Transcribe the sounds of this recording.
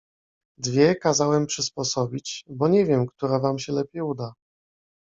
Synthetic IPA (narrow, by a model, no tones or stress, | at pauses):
d̪vʲjɛkazawɛmpʂɘspɔsɔbʲit͡ɕbɔɲɛvʲjɛmkt̪uɾɛvamɕɛlɛpʲjejud̪a